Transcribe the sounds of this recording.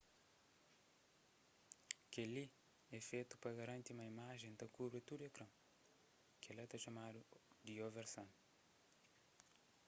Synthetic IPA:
keli | ɛfet̪u̥pɾɐɣɐɾɐ̃nt̪iumɐimaʒẽj̃d̪ɐkubɾit̪ud̪ekɾɐ̃w̃ | kelɐt̪ɐʃɐmad̪ud̪ioveɾsɐ̃w̃

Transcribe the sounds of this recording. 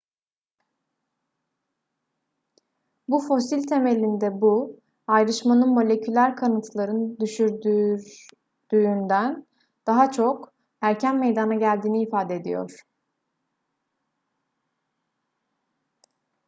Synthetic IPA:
bufo̞silʲt̪ʰe̞me̞lʲind̪ɛbu | ajɾɯʃmanɯnmo̞lʲe̞cʰylʲæɾkʰanɯt̪ʰlˠaɾɯnd̪yʃyɾd̪y | d̪̥yːnd̪æn | d̪̥aɦat͡ʃʰo̞k | æɾcʰænme̞jd̪anaɟælʲd̪iːniːfaːd̪ɛd̪ḭjo̞̰ɾ̥

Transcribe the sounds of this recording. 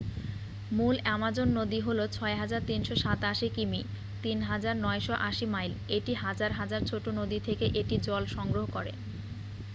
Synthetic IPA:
mulɛmad͡ʑonːod̪iɦolot͡ɕʰɔeɦad͡ʑaɾt̪inʃɔʃat̪aʃikimi | t̪inɦad͡ʑaɾnɔeʃoʔaʃimajleʈiɦad͡ʑaɾɦad͡ʑaɾt͡ɕʰoʈonod̪it̪ʰekeʔeʈid͡ʑɔlʃɔŋɡɾoɦokɔɾḛ

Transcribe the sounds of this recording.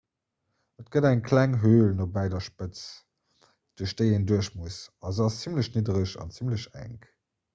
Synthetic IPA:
ət̚ɡ̥ədæŋkʰlæŋɦøːlnobæɪdɐʃpət͡s | d̥uəʃd̥əɪenduəɕmusɑzəɑst͡simləɕnidəʁəɕɑ̰nt͡simləɕæ̰ŋk

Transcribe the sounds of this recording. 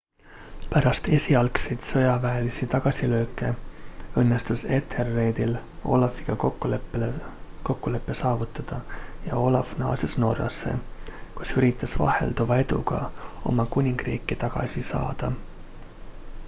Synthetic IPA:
pæɾɑst̪e̞sʲiɑlkse̞jt̪sɤjɑvæːlisit̪ɑɡ̥ɑsilø̞ːkːˑe̞ɤnːest̪use̞t̪ʰerːe̞ːd̪̥ilo̞̰lɑfiɡ̥ɑkokːulepelko̞kːule̞pːe̞sɑːvut̪ˑːɑd̪̥ɑjɑo̞lɑfnɑ̰ːsesno̞̰rɑ̰sːe̞̰kusyɾit̪ːˑɑsvɑ̰hḛld̪uvɑe̞d̪̥ṵɡ̥ɑ̰o̞̰mɑkunʲiŋɡ̥rḭːkˑːit̪ɑɡ̥ɑ̰sisɑ̰ːd̪̥ɑ

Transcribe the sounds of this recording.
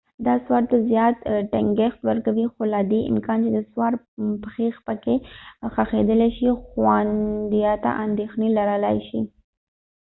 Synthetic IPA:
d̪ɑswɑɾt̪azjɑt̪ʈaŋɡext̪wəɾkawixolad̪eʔɪ̰mkɑnt͡ʃed̪əswɑɾ | pəxexpəkexaxed̪əleʃixwand̪ijɑt̪a̰ʔand̪exnelaɾəlajʃḭ

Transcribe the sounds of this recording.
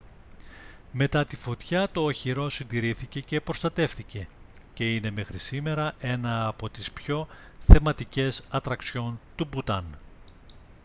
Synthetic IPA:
me̞t̪ɐt̪ifo̞t̪çɐt̪o̞ːçiɾo̞sind̪iɾiθice̞ce̞pɾo̞st̪ɐt̪e̞fθice̞ | ce̞ine̞me̞xɾisime̞ɾɐʔe̞nɐːpo̞t̪ispço̞ | θe̞mɐt̪ice̞sɐt̪ɾɐkso̞nt̪ubut̪ɐn

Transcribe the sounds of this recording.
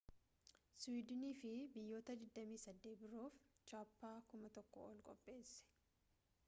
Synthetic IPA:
swiːd̪ɪniːfɪbɪjːo̞ːt̪ɐd̪ɪd̪ːɐmiːsɐd̪ːeːt̪̚bɪɾoːft͡ʃaːpːaːkʊmɐt̪ɔkːɔ̰ɔ̰lkʼɔ̰pʼːe̞ːsːɛ̥

